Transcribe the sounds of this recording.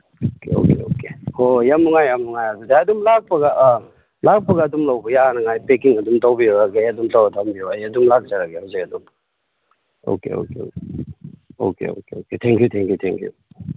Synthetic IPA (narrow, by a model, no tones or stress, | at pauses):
okeo̰kḛo̰kekʰojamːuŋajamːuŋajadudaɐdumlak̚pɐɡaʔ | lak̚pɐɡaːdumlawbɐjahanɐŋajpekiŋɐdumtawbioaɡejɐdumtawatʰambijoajɐdumlak̚zaɾaɡehawzekɐdum | o̰kḛo̰keo̰ke | o̰kḛo̰keoketʰɛŋkjutʰɛŋkʰjutʰɛŋkʰjṵ